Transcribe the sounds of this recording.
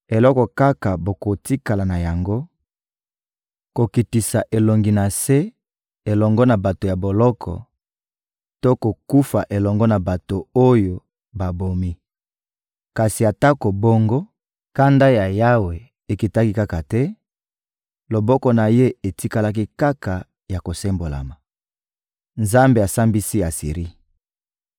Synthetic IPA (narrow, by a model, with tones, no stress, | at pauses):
e˨lɔ˦kɔ˨ka˦ka˨bo˨ko˨ti˦ka˨la˨na˨ja˨ŋɡo˦ | ko˨ki˨ti˨sa˨ʔe˨lo˨ŋɡi˨na˨se˦ | e˨lɔ˨ŋɡɔ˦na˨ba˨to˨ja˨bo˨lɔ˦kʰɔ̰˨ | to˦ko˨ku˦fa̰˨ʔe˨lɔ˨ŋɡɔ˦na˨ba˨to˨o˦jo˨ | ba˨bo˨mi˦ | ka˨si˨a˨ta˦ko˨bo˦ŋɡo˦ | ka˦nda˦ja˨ja˦we˨ | e˨ki˨ta˦ki˦ka˦ka˨tɛ˦ | lo˨bɔ˦kɔ˦na˨je˦e˨ti˦ka˦la˦k̬i˦ka˦ka˨ | ja˨ko˨se˦mbo˨la̰˨ma˨ | nza˦mbe˨a˨sa˦mbi˦si˦a˨sḭ˨ʁi˦